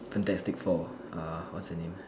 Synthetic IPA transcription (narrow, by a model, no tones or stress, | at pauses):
fɛ̃ntɛstɪkfɔ | ʔawɔtsdənẽm